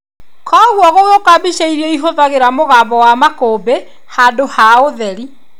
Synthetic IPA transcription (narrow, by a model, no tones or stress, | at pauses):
kʰɔɣwɔɣoɣokabiʃaiɾɛiɦoðaɣeɾamoɣaːbɔwamakoːbe | haːdohaoðɛɾi